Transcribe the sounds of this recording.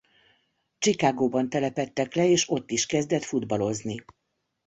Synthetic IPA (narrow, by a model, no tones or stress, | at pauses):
t͡ʃikaːɡoːbɒnt̪ɛlɛpɛt̪ːɛklɛeːʃo̞t̪ːiʃkɛzd̪ɛt̪fud̪bɒlo̞zni